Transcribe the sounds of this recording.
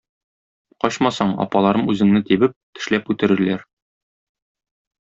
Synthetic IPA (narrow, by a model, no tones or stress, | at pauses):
qɒɕmɑsɑɴɒ̰pɑlˠɑɾɤmʉzɘ̆ŋnɘt̪ibɘp̚t̪ɘ̆ʃlæpʉt̪ɘ̆ɾɘ̆ɾlæɾ